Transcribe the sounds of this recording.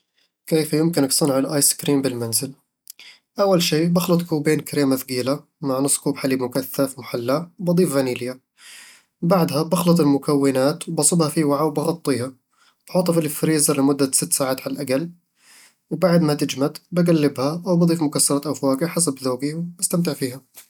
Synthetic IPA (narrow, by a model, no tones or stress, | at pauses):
keːfjɪmkɪnɪksˤɨnʕalʔaːjskɾiːmbɪlmanzɪl | ʔawːalʃiːbɑxlɑt̪ˤkuːbeːnkaɾeːmaθɡiːla | maʕnɨsˤːkuːbħaliːbmʊkaθːafmʊħalːawbɑd̪ˤiːfɣaniːlɪja | baʕd̪habɑxlɑt̪ˤɪlmʊkawːɪnaːt̪wbɑsˤɨbhɑfiːwaʕawbɑɣɑt̪ˤːiːha | b̥ħuːt̪ˤːɑfɪlfɾiːzɑlɪmʊd̪ːasɪt̪ːsaːʕaːt̪ʕallʔaɡal | wbaʕd̪mat̪ɪd͡ʒmad̪baɡalːɪbhaʔawbɑd̪ˤiːfmʊkasːɑɾˤɑt̪ʔafwaːɡiħasabðoːɡiwbast̪amt̪ɪʕfiːha